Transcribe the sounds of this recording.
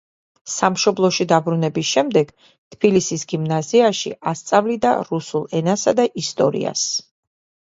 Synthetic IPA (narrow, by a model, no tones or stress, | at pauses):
samʃɔblˠɔʃid̪abɾunɛbisʃɛmd̪ɛɡ̥ | t̪ʰb̥ilisisɡimnaziaʃḭʔast̪sʼavlid̪a̰ɾusulˠɛnasad̪aʔist̪ʼɔ̰ɾḭa̰s